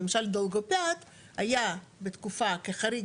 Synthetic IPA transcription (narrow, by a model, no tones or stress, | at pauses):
emaʃald̪olɡopat̪ | hajabet̪kufakeχaɾi